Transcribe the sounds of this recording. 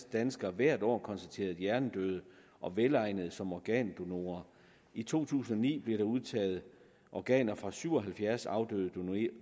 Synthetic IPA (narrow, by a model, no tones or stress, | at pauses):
d̥ænsɡ̥ɐʋæɐ̰d̥ɒ̰ːkʰɒ̽nsd̥æt͡sʰe̝̰ːɐð̩ˠjæɐnd̥øðˠə | ʔɒ̽ʋelɑ̈ɪ̰nəð̞̩ˠsɒ̽mɒɡ̥ɛ̰ːnd̥o̝no̝ːɐ | it͡sʰo̝̰ːt͡sʰṵːsn̩ɒ̽nḭːb̥leɾ̥ɑ̈uð̞ˠt͡sʰɛ̰ːð̞̩ˠ | ʔɒɡ̥ɛ̰ːnɐfʁɑ̈syʊ̰ɒ̽ɦælfjæɐsɑ̈ʊd̥øð̩ˠd̥o